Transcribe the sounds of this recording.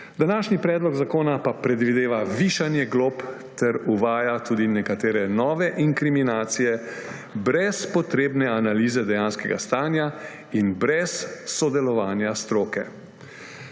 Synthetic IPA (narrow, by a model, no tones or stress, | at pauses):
d̪anaːʃnipɾɛːd̪lɔɡzakoːnapapɾɛd̪ʋid̪eːʋaʋiːʃanjɛɡlop | t̪ɛɾuʋaːjat̪uːd̪inɛkat̪eːɾɛnɔːʋɛʔiŋkɾiminaːt̪sijɛ | bɾɛspɔt̪ɾeːbnɛanaliːzɛd̪ɛjaːnskɛɡa̰st̪aːnja | inbɾɛsːɔd̪ɛlɔʋaːnjast̪ɾoːkɛ̰